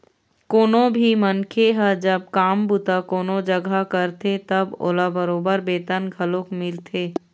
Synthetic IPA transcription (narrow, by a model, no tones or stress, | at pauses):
koːnõbʱimənkʰeɦəd͡ʒəb̚kaːmbut̪akoːnõd͡ʒəɡʱakəɾt̪et̪ɐbo̰ːlabəɾoːbəɾbeːt̪ənɡʱəlõkmɪlt̪ʰeː